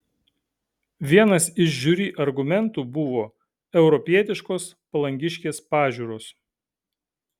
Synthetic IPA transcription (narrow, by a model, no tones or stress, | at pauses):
ʋʲiɛnɐsɪʃʒʲuɾʲiːʔɐɾɡʊmʲɛnˑt̪uːbʊʋoː | ɛʊɾɔpʲiɛt̪ʲɪʃkoːs | pɐlˠɐŋʲɡʲɪʃʲkʲeːspɑːʒʲuːɾoːs